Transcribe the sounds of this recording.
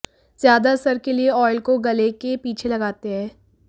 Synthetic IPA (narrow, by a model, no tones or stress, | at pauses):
z̥jaːd̪asɐɾkelieɔːɪlkoɡɐlekepiːt͡ʃʰelɐɡaːt̪eɦɛ̃ː